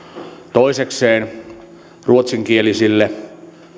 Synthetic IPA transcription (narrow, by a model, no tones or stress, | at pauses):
t̪oisekseːn | ruot̪siŋkielisilːe